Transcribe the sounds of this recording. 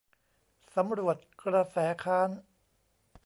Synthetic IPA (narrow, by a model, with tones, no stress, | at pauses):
sa˩˦mɾu˨˩ət̪̚kɾa˧sɛː˩˦kʰaː˦˥n